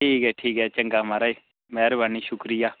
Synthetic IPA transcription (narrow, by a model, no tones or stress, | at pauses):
ʈʰiːkɛʈʰiːkɛt͡ʃɛŋɡamaɾaji | mɛɾibʱaniʃukɾiːja